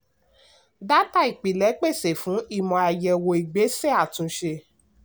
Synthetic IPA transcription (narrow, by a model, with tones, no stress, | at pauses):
da˦ta˦˨i˨k͡pi˨lɛ˨˦k͡pe˦˨se˨fũ˨˦i˦˨mɔ̃˨a˨jɛ˨wo˨i˨ɡ͡be˨˦se˦a˦˨tũ˧ʃe˧